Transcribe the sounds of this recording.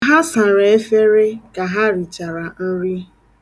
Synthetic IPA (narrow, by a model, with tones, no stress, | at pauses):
ɦa˦sa˨ɾa˨e˦fe˦ɾe˦ka˨ɦa˦ɾi˨t͡ʃa˨ɾa˨n̩˦ɾi˦